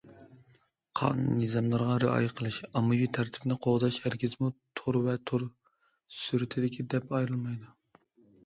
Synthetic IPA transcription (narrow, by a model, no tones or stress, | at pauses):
qʰɑ̰nnɨzɑmlˠɨɾʁɑɾɨɑ̰jqʰəlˠɨʃɑmɨjit̪ʰæɾt̪ʰɪ̥bnɪqʰoʁd̪ɑʃhæɾkʲizmut̪ʰoɾvɛt̪ʰoɾ | syɾɪt̪ʰɪd̪ɪkʲʰid̪ɛpɑjɾɨlˠmɑjd̪u